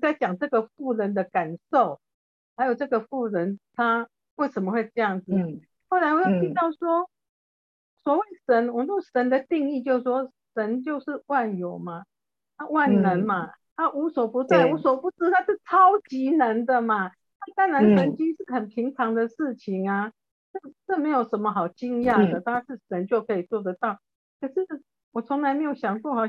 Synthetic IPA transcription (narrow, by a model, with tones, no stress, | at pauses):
t͡sa˥˩ɪt͡ɕjɑ˨˩ŋʈ͡ʂɤ˥˩ɡə˩fu˥˩ɻə˧˥nd̪ə˧ka˨˩nʂo˥˨ʊ | ha˧˥ɪjo˨˩ʊʈ͡ʂɤ˥˩ɡə˩fu˥˩ɻə˧˦nt̪ʰa˥ | we˥˩ɪʂə˧˥nmə˧xwe˥˧ɪʈ͡ʂɤ˥˧jɑ˥˩ŋd͡z̩˨˩ | ho˥˩ʊla˧˥ɪwɔ˨jo˥˩t̪ʰi˧˥t̪ɑ˥˩ʊswɔ˥ | swɔ˨˥we˥˩ɪʂə˧˥nwɔ˨˩m˦t͡ɕo˥˩ʂə˧˦nd̪ə˨t̪i˥˧ŋi˥˧t͡ɕjo˥˧ʊʂwɔ˥ | ʂə˧˦nt͡ɕjo˥˧ʊʂɻ̩˥˧wa˥˩njo˨˩ʊma˨ | t̪a˥˧wa˥˩nnə˧˦nma˧ | na˥˧ʔu˧˥swɔ˨˩pu˧˥t̪we˥˩ɪu˨˥swɔ˨˩pu˧˥t͡sɹ̩˥t̪ʰa˥ʂɻ̩˥˩t͡sʰɑ˦˥ʊt͡ɕi˧˥nə˧˦nd̪ə˨ma˨ | na˥˧t̪a˥˩ŋɻa˧˦nsə˧˥nt͡ɕi˥ʂɻ̩˥˩xə˨˩npʰi˧˥ŋt͡sʰɑ˧˥ŋd̪ə˧ʂɻ̩˥˩t͡ɕʰi˨˩ŋa˨ | ʈ͡ʂɤ˥˩ʈ͡ʂɤ˥˩me˧˥ɪjo˨˩ʊʂə˧˦nmə˧xɑ˨˩ʊt͡ɕi˥ŋjɑ˥˩d̪ə˩t̪a˥˧a˥ʂɻ̩˥˩ʂə˧˦nt͡ɕjo˥˩ʊkʰɤ˧˥i˨˩t͡swɔ˥˩d̪ə˨˦t̪ɑ˥˩ʊ | kʰə˨˩ʂɻ̩˥˩ | wɔ˨˩t͡sʰɔ˧˥ŋla˧ɪme˧˥ɪjo˨˩ʊɕjɑ˨˩ŋkwɔ˥˩xɑ˨˩